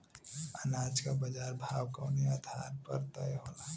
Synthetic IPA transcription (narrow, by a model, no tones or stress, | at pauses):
ənaːd͡ʒkabəd͡ʒaːɾbʱaːwkəʊniaːd̪ʱa̰ɾpə̰ɾt̪əjɦola